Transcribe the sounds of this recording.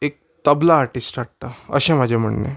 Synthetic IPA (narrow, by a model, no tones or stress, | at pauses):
eːk̚ | t̪ɐblaaːɾʈɪsʈaʈʈaɐ̰ʃɐmɐd͡ʒɐmɐ̰ɳːḛ